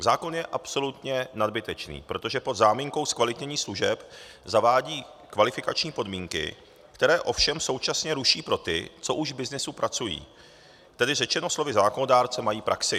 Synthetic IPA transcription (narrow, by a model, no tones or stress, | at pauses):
zaːko̞njɛʔapso̞lut̪ɲɛnadbɪt̪ɛt͡ʃnḭːpɾo̞t̪o̞ʒɛpo̞d̪zaːmiːŋko̞wskvalɪt̪ɲɛɲiːsluʒɛp | zavaːɟiː | kvalɪfɪkat͡ʃɲiːpo̞dmiːŋkɪ̰ | kt̪ɛɾɛːʔo̞fʃɛmso̞wt͡ʃasɲɛɾuʃiːpɾo̞t̪ɪ̰t͡so̞ʔuʒvbɪznɪsupɾat͡sujḭː | t̪ɛdɪrɛt͡ʃɛno̞slo̞vɪzaːkonodaːɾt͡sɛmajiːpɾʔaksɪ